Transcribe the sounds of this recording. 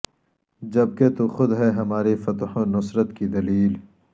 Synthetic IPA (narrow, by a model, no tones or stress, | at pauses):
d͡ʒɐb̚ket̪uxʊd̪ɦɛɦɐmaːɾifɐt̪hõnʊsɾət̪kid̪ɐliːl